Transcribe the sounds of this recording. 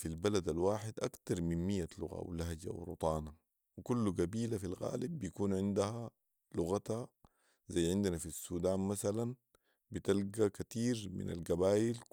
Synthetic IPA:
filbalad̪alwaːħid̪ʔakt̪ɑɾˤminmijːalʊɣa̰w̰lahɟa̰w̰ɾṵt̪ˤɑːna | wikulːuɡabiːlafilɣa̰ːlibːijakuːnʕɪnd̪aha | lʊɣat̪ha | zajːʕɪnd̪anafisːuːd̪aːnmasalan | bit̪alɡakat̪iːɾmḭna̰lɡabaːjil

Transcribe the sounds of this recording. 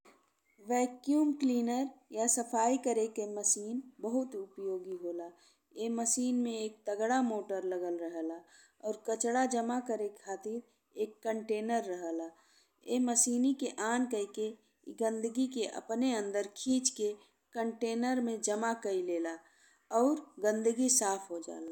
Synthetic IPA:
ʋɛːkjuːmkliːnəɾjasəpʰaːikəɾekeməsiːnbəɦʊt̪ʊpjoːɡiɦoːla | eməsiːnmẽeːk̚t̪əɡɽamoːʈəɾləɡəlɾəɦəla | ɔːɾkət͡ʃɽad͡ʒəmakəɾekʰaːt̪ɪɾ | eːkːəɳʈeːnəɾːəɦəla | eməsiːnikeʔaːnkəike | ɡə̃nd̪əɡikeʔə̰pneə̃nd̪əɾkʰiːt͡ʃke | kəɳʈeːnəɾmẽd͡ʒəmakəileːla | ɔːɾɡə̃nd̪əɡisaːpʰɦod͡ʒa̰ːla

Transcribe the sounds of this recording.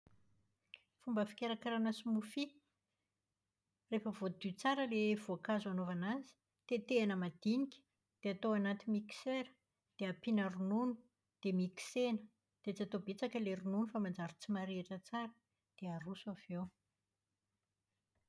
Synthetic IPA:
fumbəfi̥kʲeɾakaɾanəsumufi | refəvod̪yt͡saɾəlev̥oakazanovanazi̥ | t̪et̪eanəmad̪̥inikʲə̥ | d̪̥eat̪owanat̪imiki̥seɾə̥ | d̪̥eapinərununu̥ | d̪̥emiki̥senə | d̪̥et͡siat̪obet͡sakəleɾununufamand͡zaɾit͡simaɾeʈ͡ʂət͡saɾə̥ | d̪̥eaɾusuav̥ew

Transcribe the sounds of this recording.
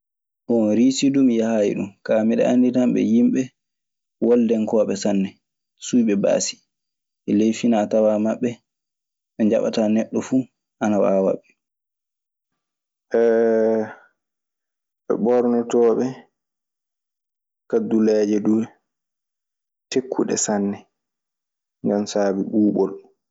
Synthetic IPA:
hɔɾisidumjahajḭɗṵmkamiɗɛ̰ʔanditamɓɛ̰jimɓɛ | wɔldɛnkɔːɓɛsanːɛ | sujɓɛba̰ːsi̥ | ʔɛlejfinatawamaɓːɛ | ɓɛɲd͡ʒaɓa̰taːnɛɗːɔfuː | ʔanawa̰wa̰ɓːɛ | ʔɛ | ɓɛ̰ɓɔɾnɔtɔːɓɛ | kadulɛːd͡ʒɛdu | tekʰːuɗɛ̰sanːɛ | ŋɡamsaːbiɓuːɓɔl

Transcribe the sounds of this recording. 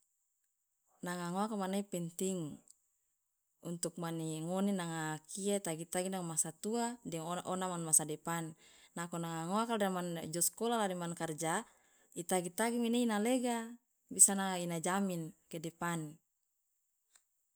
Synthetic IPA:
naŋaŋoakamanaipɛnt̪iŋ | unt̪uk̚maniŋoninaŋakiait̪aɡit̪aɡinaŋmasat̪uadɛŋʔɔnamanmasadɛpanːakonaŋaŋoakaldamand͡ʒɔskolalademankard͡ʒa | it̪aɡit̪aɡimineinaleɡa | bisanaŋainad͡ʒaminkedɛpan

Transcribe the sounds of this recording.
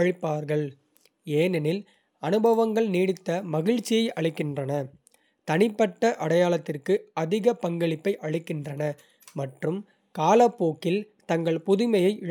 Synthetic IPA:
ɻɪpːaːɾɣɐɭ | eːnɛnɪl | ɐnɯbɐʋɐŋɡɐɭniːɽɪt̪ːɐmɐɣɪɻt͡ʃːɪjɐɪʔɐɭɪkːɪndrɐnɐ | t̪ɐnɪpːɐʈːɐʔɐɽɐjaːlɐt̪ːɪrkɯɐðɪɣɐpɐŋɡɐɭɪpːɐɪʔɐɻɪkːɪndrɐnɐ | mɐʈrɯm | kaːlɐpːoːkːɪl | t̪ɐŋɡɐɭpʊðʊmɐjɐɪʔɪ

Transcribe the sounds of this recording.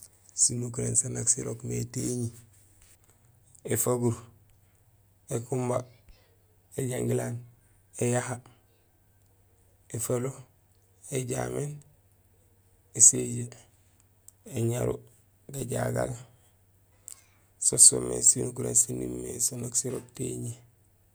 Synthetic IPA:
sinukuɾensanaksiɾokmeteɲi | efaɡuɾ | ekumba | eɟaŋɡilan | ejaha | efalo | eɟamen | eseɟe | eɲaɾu | ɡaɟaɡal | soso̰mːḛsinukuɾḛnsinimːesonaksiɾokteɲi

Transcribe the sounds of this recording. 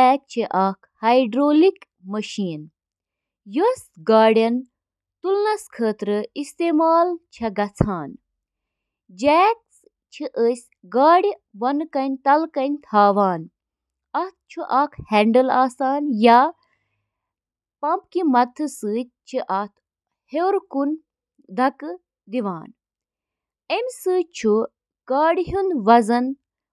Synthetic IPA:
ɛːt̪̚t͡ʃʰiʔɐkʰhɐjɖɾoːlik | mɐʃiːn | josɡaːɽjɐn | t̪ulnɐskʰəːt̪ɾɨist̪eːmaːlt͡ʃʰɐɡɐt͡sʰaːn | d͡ʒɛːt̪̚ | t͡ʃʰiʔəːsʲ | ɡaːɽi | bɐnkɐnʲt̪ɐlkɐnʲt̪ʰaːʋaːn | ɐt̪̚t͡ʃʰuʔɐːkʰhɛːɳɖəlaːsaːnja | pɐmpkimɐt̪ʰːɨsɨːt͡ʃʰiʔɐt̪ʰ | hewɾkun | d̪ʱɐkɨ | d̪iʋaːn | emʲsɨːt͡ʃʰu | ɡ̥aːɽiɦunʋɐzɐn

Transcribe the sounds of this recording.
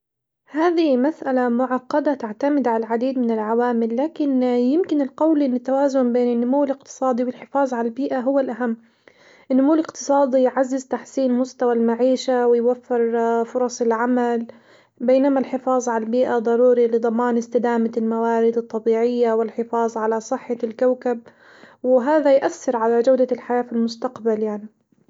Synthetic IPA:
haːðimasʔalamʊʕɑqːɑd̪at̪aʕt̪amɪd̪ʕalaʕad̪iːd̪mɪnɪlʕawaːmɪlːaːkɪnjɪmkɪnɪlqɑwlʔɪnːɪt̪ːawaːzʊnbeːnɪnːʊmuwːɪlɪq̚t̪ɨ̥sˤɑːd̪ˤiwɪlħɪfɑːzˤʕalalbiːʔaɦʊwːalʔaɦamː | ʔɪnːʊmuːɪlɪqt̪ɨ̥sˤɑːd̪ˤijʕazːɪzt̪aħsiːnmʊst̪awalmaʕiːʃawɪjwafːɪɾfʊɾˤɑsˤɪlʕamal | beːnamalħɪfɑːzˤʕaalbiːʔad̪ˤɑɾuːɾilɪd̪ˤɑmɑːnɪst̪ɪd̪aːmalmawaːɾɪd̪ɨt̪ˤːɑbiːʕɪjːawɪlħɪfɑːzˤʕalasˤɨħːalkawkab̚ | wɪɦaːðajʔaθːɪɾʕalad͡ʒawd̪alħajaːfilmʊst̪aqbaljaʕni

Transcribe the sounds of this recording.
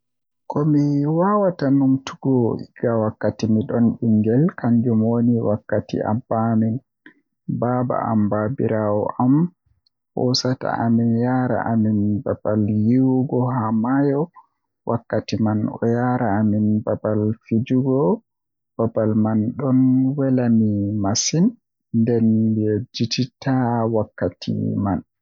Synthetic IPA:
kɔmiwawatanumtʰuɡɔiɡ̥awakːatimiɗɔnɗiŋɡɛlkaɲd͡ʒɔmoniwakːatḭʔa̰bamin | baba̰a̰mbabiɾawɔ̰ʔam | hɔsata̰ʔaminjaɾa̰ʔaminbabaljiwuɡɔɦamajɔ | wʔakːatimanɔjaɾaːminbabalfid͡ʒuɡɔ | b̥abalmanɗɔnwɛlamimasin | ndɛnbɛd͡ʒititʰawakːatʰḭman

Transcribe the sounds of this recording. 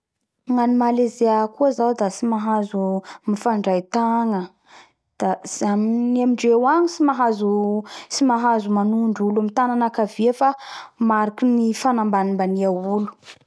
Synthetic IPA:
ŋanimalezeakuazawd̪asimaɦazumifaɳɖ͡ʐajt̪aŋə | d̪̥azaminamiɳɖ͡ʐewaɲisimaɦazusimaɦazumanuɳɖ͡ʐulamit̪ananakaviafamaɾakinifanambanimbaniaulu̥

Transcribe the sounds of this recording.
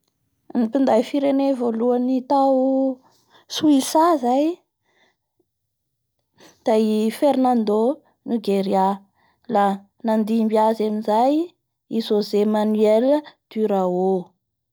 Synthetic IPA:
nipind̪ajfiɾenevoluanit̪aw | suisazaj | d̪̥afeɾnand̪o | nuɡeɾia | la | nand̪imbiazamizaj | izozemanyeləd̪̥yɾao

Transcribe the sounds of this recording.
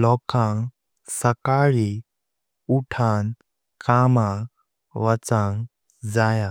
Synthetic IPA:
lɔkãŋ | səkaɭi | uʈʰan | kʰama | ʋət͡sãŋ | d͡zaja

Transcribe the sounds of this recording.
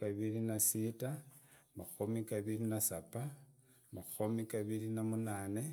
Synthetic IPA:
kaβilinasitamaxumikaβilinasapa | maxumikaβilinamunaːne̞

